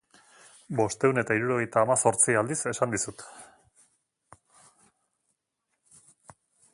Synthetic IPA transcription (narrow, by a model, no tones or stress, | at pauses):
bo̞st̪e̞une̞t̪aiɾuɾo̞ɣ̞e̞jt̪aːmaso̞ɾt͡siald̪ise̞sand̪isut̪